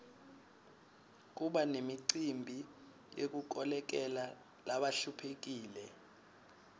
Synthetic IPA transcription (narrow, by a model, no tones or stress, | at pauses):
k̬ʼuɓanemiǀimbʱi | jek̬uk̬ɔlɛk̬ɛla | laɓaɬupʰek̬ʼiːlɛ